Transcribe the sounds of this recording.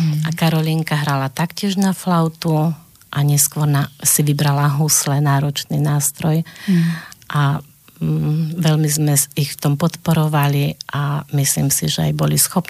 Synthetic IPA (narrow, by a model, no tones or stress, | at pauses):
akaɾɔliːŋkaɦɾalat̪akcɪɛʒnaflaʊt̪u | ʔaɲɛskʋɔɾnasiʋibɾalaɦuslɛnaːɾɔt͡ʃniːnaːst̪ɾɔj | ʔa | ʋɛlmizmɛixft̪ɔmpɔt̪pɔɾɔʋaliʔamislḭːmsiʒɛa̰jbɔlisxɔp